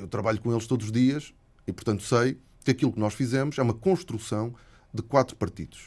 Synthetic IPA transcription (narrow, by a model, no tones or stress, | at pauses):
ewt̪ɾɐβaʎukõelˠʃt̪od̪zuʒðiɐʃ | ipʊɾt̪ɐ̃nt̪u̥sɐj | kɨɐkilˠuknɔʃfizɛmuʃɛumɐkõʃt̪ɾusɐ̃w̃ | d̪ɨkwat̪ɾu̥pɐɾt̪ḭðuʃ